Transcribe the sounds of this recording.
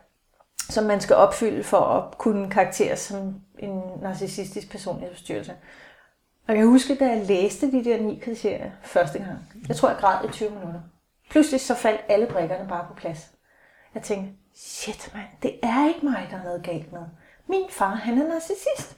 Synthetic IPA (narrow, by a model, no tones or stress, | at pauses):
sɒ̽mːænsɡ̥æʔɒ̽b̥fyl̰əfɒʔɒkʰunəkʰɑ̈ɑɡ̥̚t͡sʰe̝̰ːɐsɒ̽mʔe̝nːɑ̈sisisd̥isɡ̥̚pʰæɐso̝̰ːnle̥sd̥yɐlsə | ɒ̽jɑ̈ɪhusɡ̥əd̥ɑleːsd̥əd̥id̥eɐ̰nḭːkʰʁit͡sʰe̝ɐ̰jɐfɶɐsd̥əɡ̥ɑ̈ŋ̰jɑɪt͡sʰʁo̰ɐɐɡ̥ʁɑ̈ð̰ˠit͡sʰyːʊminud̥ɐ | pʰluslisɒ̽fæl̰d̥æləb̥ʁeɡ̥ɐnəb̥ɑ̈ːpʰɒ̽pʰlæs | jɑ̈ɪt͡sʰeŋɡ̥ɐ | ɕed̥mænd̥e̝æɐe̝ɡ̥əmɑ̈ɪd̥ɑ̈hhɛð̞̩ˠɡ̥ɛ̰l̰d̥no̽ːð̩ˠ | minfɑ̈ːɦænæɐnɑ̈ːsisisd̥